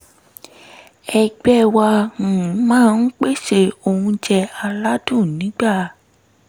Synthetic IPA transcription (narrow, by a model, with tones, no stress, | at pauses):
ɛ˧ɡ͡bɛ˦wã˧˨˦mãː˦˧n̩˦k͡pe˦ʃe˧˨o˧hũ˧d͡ʒɛ˧a˧la˦dũ˦˨nĩ˨˦ɡ͡ba˦˨